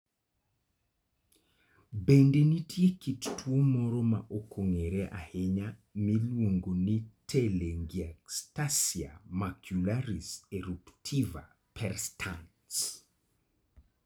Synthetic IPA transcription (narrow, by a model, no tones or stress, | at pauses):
bendenitʰjekittʰwomɔɾɔma̰ʔokʰoŋeɾɛʔa̰heɲamilwoŋɡonitʰeleŋɡiakstasia̰makʰjulaɾiseɾuptʰiva̰ | pʰɛrstʰan | s